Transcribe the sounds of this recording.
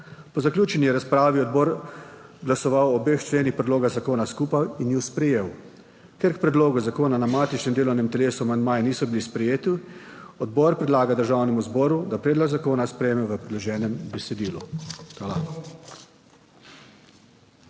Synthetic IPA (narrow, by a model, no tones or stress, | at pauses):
pɔzaklʲjuːt͡ʃɛnjijɛɾaspɾaːʋiɔd̪̚bɔːɾɡlasɔʋawɔbext͡ʃleːnixpɾɛd̪loːɡaɣzakoːnaskuːpajinjuspɾɛjeːw | keɾkpɾɛd̪loːɡuzakoːnanamaːt̪it͡ʃnɛmd̪eːlɔwnɛmt̪ɛleːsuamand̪majniːsɔbilispɾɛjeːt̪i | ɔd̪̚bɔɾpɾɛd̪laːɡad̪əɾʒawnɛmuzbɔːɾud̪apɾɛːd̪lɔɡzakoːnaspɾɛjemɛʋəpɾɛd̪lɔʒɛːnɛmbɛsɛd̪iːlṵxwaːla